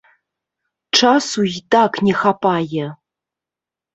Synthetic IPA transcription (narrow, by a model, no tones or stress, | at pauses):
ʈ͡ʂʰasujtaknʲexapajɛ